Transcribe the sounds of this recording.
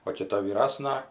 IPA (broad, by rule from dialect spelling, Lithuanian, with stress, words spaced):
oː kʲɪˈtɐ ʋʲiːˈrɑːsnɐ